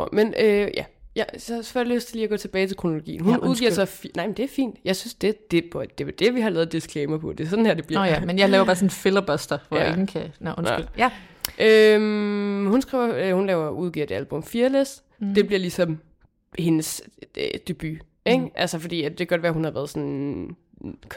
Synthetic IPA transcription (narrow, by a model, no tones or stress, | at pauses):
menøjæjɑsɒ̽fɒjløːsd̥t͡sʰe̝liːɐɡɒ̰ːt͡sʰe̝b̥ɛːɪt͡sʰe̝̥kʰʁono̝lo̝ɡ̥ḭːn̩ɦunnuðˠɡ̥ḭɐsɑfnɑ̈ɪmend̥e̝æɐfḭːnd̥jɑ̈ɪsynsd̥e̝d̥e̝pʰɒd̥e̝ʋd̥eʋiɦɑ̈lɛːð̞̩ˠd̥iskʰlɛɪmɐpʰɒ̽d̥e̝sɒ̥̽n̩hæɐd̥e̝b̥liɐmenjɑlɛːʊɐbɑ̈ːsɔn̩fe̝lɐb̥œsd̥ɐʋɒjeŋn̩kʰænʔɔn | ʔømhunsɡ̥ʁḭːɐhunlɛːʊɐuð̞ˠɡḭɐd̥e̝ælb̥ɔ̽mfiːɐlesd̥ | d̥e̝b̥liɐlisɒ̽m | he̝nəsød̥e̝b̥y | eɡ̥ʔælsəfɒd̥ḭːjæd̥ekʰæɡ̥ɒ̽d̥ʋæːɐhunhɑ̈ʋæːɐð̞̩ˠsɔ̽n | kʰ